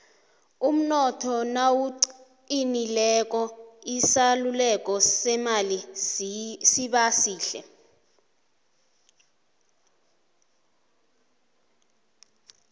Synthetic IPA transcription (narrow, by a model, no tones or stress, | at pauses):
um̩nɔtʰɔnawuǀ | inilɛk̬ʼɔisalulɛk̬ʼɔsɛmali | siɓasiːɬɛ̰